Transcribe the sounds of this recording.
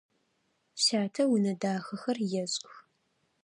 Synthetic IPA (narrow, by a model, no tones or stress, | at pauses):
ɕaːtʰɐwʊnɐdaːxɐxɐrjɛɕʼx